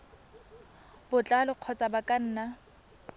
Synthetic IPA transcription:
bʊt͡ɬʼalʊq͡χʰɔt͡sʼabakʼan̩ːna

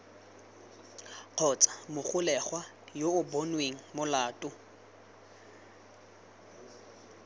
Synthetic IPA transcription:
q͡χʰɔt͡sʼḁmʊχʊlɛχwa | joʊbonweŋ̩mʊlaːtʼʊ

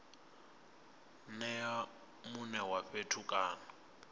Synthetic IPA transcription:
nɛa | munɛwaɸetʰukʼaːnɔ

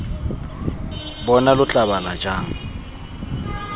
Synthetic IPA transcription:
bɔnalʊt͡ɬʼaβalad͡ʒaːŋ̩

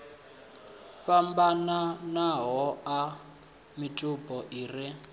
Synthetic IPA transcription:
fambananaɦɔa | mitʼupʼɔʔiːri

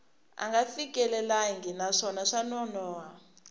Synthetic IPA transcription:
a̰ŋɡafik̬ʼɛlɛlajiŋɡinaʂɔnaʂanɔnɔːwa

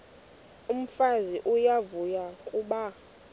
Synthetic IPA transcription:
um̩faziʔujavujakʼuɓa

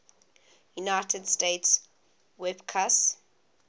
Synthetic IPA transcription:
junaɪtʰədstets | wɛbkʰas

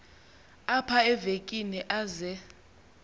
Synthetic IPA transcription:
apʰaɛvekʼiniʔazɛ

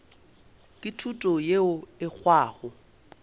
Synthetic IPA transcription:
kʼɪtʰutʼɔjeʊɪk͡xʰwaːɣʊ

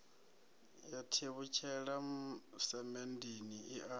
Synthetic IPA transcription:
jatʰeβut͡ʃʰɛɺamusɛmɛndiniiʔa

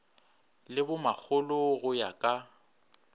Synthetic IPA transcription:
lɪbʊmak͡xʰʊlʊɣʊjakʼa

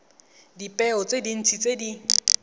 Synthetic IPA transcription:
dipʼɛɔt͡sʼedin̩t͡sʰit͡sedi

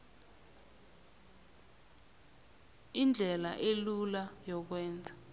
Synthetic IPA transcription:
ind͡ɮʱɛla̰ʔelulajɔk̬wɛːnd͡zʱa

